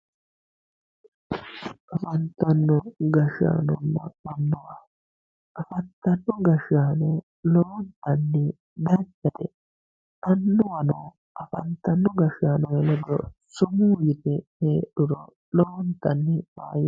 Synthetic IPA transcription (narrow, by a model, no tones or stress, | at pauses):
ʔɐfɐnt̪ɐnːɔɡɐʃa̰ːnɔnːɐ̰ɐnːʊwa | ʔɐfɐt̪ːɐnːɔɡɐʃaːnɔ | loːnt̪ɐnːɪ | d̪ɐt͡ʃːɐt̪ɛ | ʔɐnːʊwɐno | ʔɐfɐnt̪ɐnːɔɡɐʃaːnɔhɛlɛd̪ɔ̰sʊmuːjɪt̪ɛheːɗʊɾɔ̰ | loːnt̪ɐnːɪwa̰ːj